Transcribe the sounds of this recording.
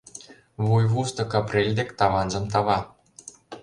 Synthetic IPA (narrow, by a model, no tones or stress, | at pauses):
βujβust̪ɤ̆kɑprʲelʲd̪ekt̪ɑβɑnʒɤ̆mt̪̬ɑβɑ